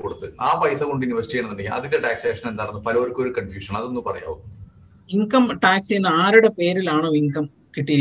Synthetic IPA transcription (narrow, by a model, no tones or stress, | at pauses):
koɽut̪ːɨaːpɐjsɐkoɳɖiniʋɐsi̥tijɐɳɐnːeɳɖeɡiɐ̰ðindeʈaːkseːʂɐnend̪aɐɽɐnːɨpɐlɐoɾkːo̞ɾukɐnfjuːʂɐɳɐðonːupɐrɐja̰ːʋu | iŋkɐmʈaːksejunːɐaːɾuɽepe̞ːɾilaːɳoːiŋkɐm | kiʈːijɾi